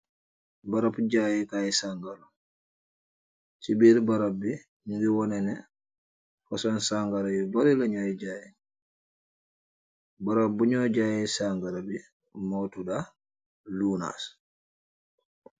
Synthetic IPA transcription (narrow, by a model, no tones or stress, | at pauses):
baɾapd͡ʒajɛkajɛsaŋɡalɔ | t͡ʃibiɾbaɾabɛ | niɡiwɔnɛnɛ̰ | fɔsɔnsaŋɡaɾajɔbaɾilaɲɔjɛd͡ʒaːjɛ | baɾabːuɲɔd͡ʒajɛsaŋɡaɾabɛ | mɔtuda | luna̰s